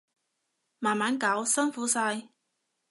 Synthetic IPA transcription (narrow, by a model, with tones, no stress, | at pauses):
maː˨˩nmaː˨˥nkaː˨˥wsɐ˥nfuː˨˥saː˧j